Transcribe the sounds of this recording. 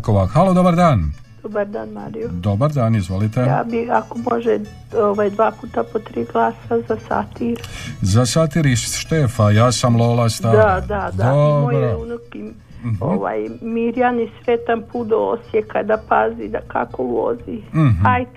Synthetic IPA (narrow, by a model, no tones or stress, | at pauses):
koʋaxalod̪obaɾd̪aːn | d̥̪obaɾd̪aːnmaːɾijod̪obaɾd̪aːnizʋolit̪eja̰ːbiakomo̞ʒe | oʋajd̪ʋaːpuːt̪apot̪ɾiːɡlˠaːsazasa̰t̪iɾzasat̪iɾisʃt̪efajaːsamlolast̪ad̪ad̪ad̪aomojbɾounoki | oʋa̰jmiɾjanisɾet̪anpud̪oosjekad̪apazid̪akakoʋo̰ziɦaj